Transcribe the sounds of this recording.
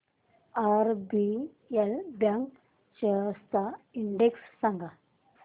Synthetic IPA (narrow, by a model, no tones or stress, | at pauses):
aɾbi | elbjaŋk | t͡ɕəst̪aiɳɖeksːãŋɡa